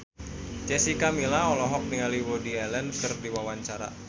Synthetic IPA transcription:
t͡ʃɛsikamilaɔlɔɦɔk̚niŋaliwodiɛlɛnkərdiwawaɲt͡ʃaɾa̰

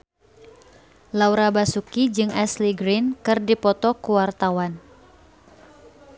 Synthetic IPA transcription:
lauɾabasukid͡ʒɨŋʔɛsliɡɾinkɨrdipɔt̪ɔkuwart̪awan

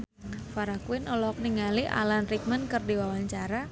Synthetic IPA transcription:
faɾakuɪnɔlɔk̚niŋaliʔa̰lanrik̚mənkɨrdiwawaɲt͡ʃaɾa

